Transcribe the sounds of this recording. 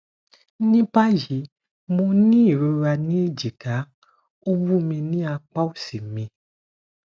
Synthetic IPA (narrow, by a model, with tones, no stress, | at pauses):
nĩ˦pa˦ji˨˦ | mõ˧nĩ˦i˦˨ɾo˧˦ɾa˧nĩ˦i˦˨d͡ʒi˨ka˨˦ | o˦bu˦mĩ˧nĩ˦a˧k͡pa˦o˦˨si˨mĩ˧